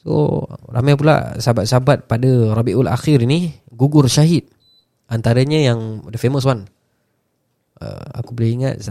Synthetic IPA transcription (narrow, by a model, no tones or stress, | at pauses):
so̰ra̰majp̬ula̰ʔsabat̪̚saabat̪̚padarɑbiʔula̰xiɾini | ɡuɡʊrʃaɦit̪̚ | ant̪aɾaɲəjaŋdəfeməs̬wan | ə̰a̰kubəliiŋa̰t̪̚